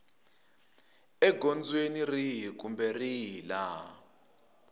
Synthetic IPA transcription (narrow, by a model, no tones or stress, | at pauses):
ɛɡʱond͡zwenirik̬ʼumbɛrila